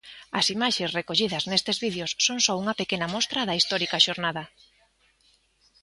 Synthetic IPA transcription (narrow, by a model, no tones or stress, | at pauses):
ɐ̰simaʃesrekoʎiðɐznest̪ezβiðjosːoŋsɔuŋɐpekenɐmɔst̪ɾɐðɐist̪ɔɾikɐʃoɾnaðɐ